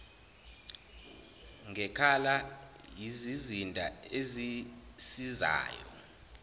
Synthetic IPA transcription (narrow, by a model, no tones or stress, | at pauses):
ŋʱɛkʰalajizizindʱʼa̰ezisiza̰ːjɔ̰